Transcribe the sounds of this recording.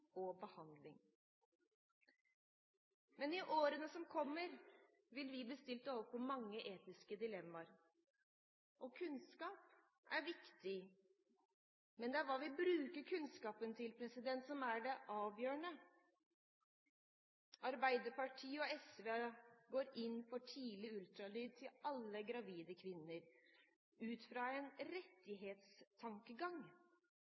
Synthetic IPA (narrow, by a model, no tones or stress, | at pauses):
ɔbəhɑnd̪lɪŋ | mɛnɪʔoːɾənəsɔmkʰɔmːəɾ | ʋɪlʋɪb̪əst̪ɪlt̪oːʋəɾpʰɔmɑŋːəʔeːt̪ɪskəd̪ɪlɛmːɑɾ | ʔɔkʰʉnskɑːp | æɾʋɪkt̪ɪ | mɛnd̪ɛæɾʋɑːʋɪbɾʉːkəɾkʰʉnskɑːpənt̪ʰɪlpʰɾɛsɪd̪ɛnt̪sɔmæɖɛʔɑːʋjøːɳə | ɑɾbæɪd̪əpɑʈʰiːɔɛsʋeɡoːɾɪnːfɔʈʰiːlɪʉlt̪ɾɑlyːd̪̚t̪ʰɪlɑlːəɡɾɑʋiːd̪əkʰʋɪnːəɾ | ʉːt̪fɾɑɛnɾɛt̪ːɪɦeːt̪st̪ʰɑŋkəɡɑŋ